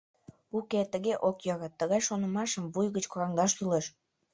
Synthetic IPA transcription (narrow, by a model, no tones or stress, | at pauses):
uket̪əɣeʔokjɑɣɑt̪ːəɣɑjʃonəmɑʃəmvujɣət͡ɕkoɾɑŋd̪ɑʃt̪uleʃ